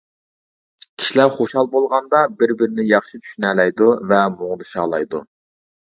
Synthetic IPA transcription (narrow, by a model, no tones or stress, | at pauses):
kʲʰi̥ʃilæɾχoʃhɑlˠbolˠʁɑnd̪ɑbɪɾbɪɾɪnɪjɑχʃit͡ʃ̪ʰy̥ʃynɛlɛjd̪uvɛmoŋd̪ɨʃɑːlˠɑjd̪u